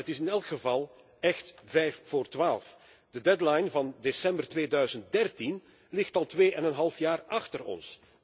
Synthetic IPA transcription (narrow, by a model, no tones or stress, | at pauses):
ətɪsɪnɛlˠkχəvɑlˠ | ɛxtvɛjffoːrtʋaːlˠf | d̥ədɛdlajnvɑndesɛmbərtʋeːdœɥzənt̚dɛrtin | lɪxtɑlˠtʋeːʔɛnənɦɑlˠfjaːrɑxtərɔ̰ns